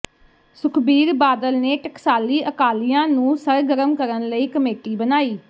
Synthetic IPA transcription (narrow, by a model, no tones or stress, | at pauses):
sʊkʰbiːɾbaːd̪əlneːʈəksaːliːʔəkaːlijãːnũːsəɾɡəɾəmkəɾənləiːkəmeːʈiːbənaːiː